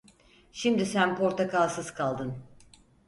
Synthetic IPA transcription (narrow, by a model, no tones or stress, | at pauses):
ʃimd̪isænpʰo̞ɾt̪ʰakʰalˠsɯz̥kʰalˠd̪ɯn